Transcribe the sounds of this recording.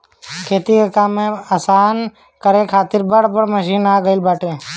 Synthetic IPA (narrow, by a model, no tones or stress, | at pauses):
kʰeːt̪ikekaːmẽasaːn | kəɾẽːkʰaːt̪ɪɾbəɽ̤bəɽməʃiːnaːɡəɪlbaːʈẽː